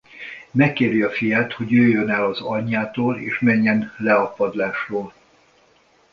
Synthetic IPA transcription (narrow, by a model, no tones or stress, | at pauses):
mɛkːeːɾjɒfijaːt̪ho̞ɟjøːjønɛlɒzɒɲːaːt̪oːlḛːʃmɛɲːɛnlɛɒpɒd̪laːʃroːl